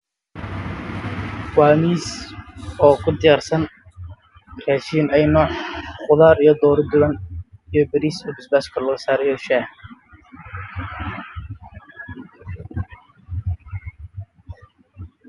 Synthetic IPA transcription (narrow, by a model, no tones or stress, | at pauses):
waːmiːs | ɔːkʰʊd̪ɪjaːrsɐn | kʰaːʃiːnɛjnɔːʕχʊðaːɾijɞd̪ɔːɾd̪ʊlɐnijɔbɐɾiːsɔːbɪsbaːskʰɐlɐɣɐsaːɾɛjɔʃaːh